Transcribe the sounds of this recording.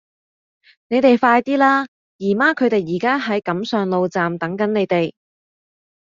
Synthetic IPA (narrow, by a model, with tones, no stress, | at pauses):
ne˨˧jt̪e˨jfaː˧jt̪iː˥laː˥ | jiː˨˩maː˥kʰɵ˨˧t̪e˨jːiː˨˩kaː˥ɦɐ˨˥jkɐ˨˥msœː˨ŋlo˨wt͡saː˨mt̪ɐ˨˥ŋkɐ˨˥ne˨˧jt̪e˨j